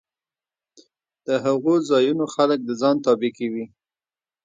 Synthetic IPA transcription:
d̪̥əɦaɣozɑjunoxalək̚d̪əzɑnt̪ɑbɪkewi

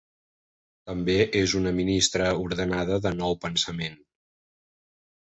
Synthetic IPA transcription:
t̪əmbeʔezunəminist̪ɾəuɾðənaðəðənɔwpənsəmen

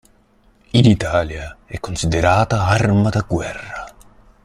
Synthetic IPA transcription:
init̪aːljaɛkːonsid̪eɾaːt̪aarmad̪aɡwɛrːa

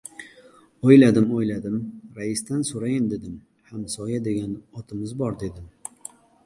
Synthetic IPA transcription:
ojlad̪ɪmojlad̪ɪmɾaɪst̪ansoɾajɪnd̪e̞d̪ɪm | hamsɒjad̪e̞ɡʲanɒt̪ʰɪmɪzbɒɾd̪e̞d̪ɪm

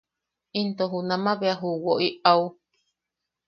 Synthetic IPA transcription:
int̪oɦunãmãβeaɦuwoʔiau

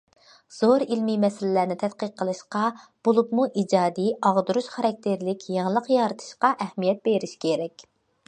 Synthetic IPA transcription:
z̥oɾilmimɛsɪlɪlæɾnɪt̪ʰɛt̪qəqʰːəlˠɨʃqɑb̥olˠupmuʔid͡ʒɑːd̪iɑʁd̪uɾuʃχɑɾɑk̚ʲt̪ʰeɾlɪkʲʰjɑŋlˠəqjɑːɾɨt̪ʰɨ̥ʃqɑʔɛhmijɛt̪̚b̥eɾɪʃkʲʰeɾɛkʲ

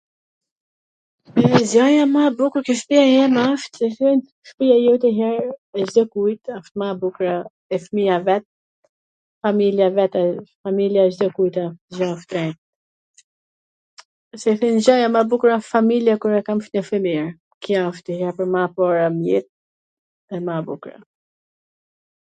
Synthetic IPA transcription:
ɛzjajamabukuɾkiʃpiajɛmaft̪sɛθɛn | ʃpijajut̪ɛɦɛɾɛzd̪ɔkujt̪aft̪mabukɾa | ɛfmiavɛt̪̚ | familjavɛt̪afamiljaʒd̪ɔkujt̪ad͡ʒaft̪ɾɛ | sɛθɛnd͡ʑajamabukɾafamiljakuɾɛkamfnɛfəmiɾ | kiaft̪əhɛɾpəɾmapɔɾamjɛt̪̚ | ɛmabukɾa̰

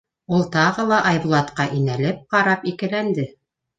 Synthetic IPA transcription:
ulˠt̪ɑʁɤlˠɑʔɑjβlˠɑt̪qɑʔinælɘp̚qɑɾɑpikɘ̆lænd̪ɘ

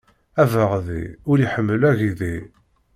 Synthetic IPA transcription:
ævəʁðḭʊɾiħəmːəlæʝiði

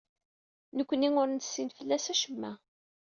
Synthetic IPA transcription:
nəkʷːəniŋʊɾnə̥sːinfəlːæsæʃəmːæ

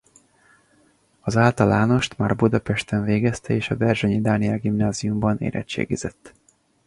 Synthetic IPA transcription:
ɒzaːlt̪ɒlaːno̞ʃt̪maːrbud̪ɒpɛʃt̪ɛɱveːɡɛst̪ɛeːʃɒbɛrʒɛɲid̪aːniɛlɡimnaːziumbɒnḛːɾʔɛ̰t͡ʃːḛːɡizɛt̪ː

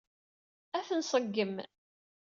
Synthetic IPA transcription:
æθənsˤəɡːəm

